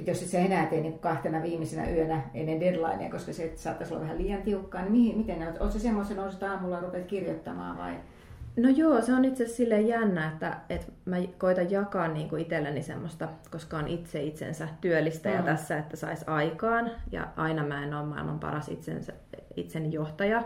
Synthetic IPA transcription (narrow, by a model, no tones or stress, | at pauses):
et̪josit̪seenæˑt̪einiːŋku̥kɑht̪enɑʋiːmːisenæ̰ʔyønæḛnːended̪lɑ̰inḛɑ̰koskɑset̪sɑːt̪ːɑsol̰ːʋæhæliːjɑnt̪iukːɑːnimihimit̪enneot̪o̰t̪sesemːost̪enouset̪ɑːmulːɑrupet̪kirjot̪ːɑmɑ̰ːʋɑ̰i | nojoːseonit̪sessilːejjænːæet̪ːæ̰et̪mækoit̪ɑjjɑkɑːnniːŋkuit̪elːenːisḛmːost̪ɑkoskɑonʔit̪seit̪sḛnsæt̪yølːist̪æjɑt̪æsːæet̪ːæsɑ̰isɑikɑːnjɑ̰ʔɑinɑmæenoːmmɑilmɑ̰mpɑ̰rɑsḭt̪sḛnsæ | ḭt̪senːijoht̪ɑjɑ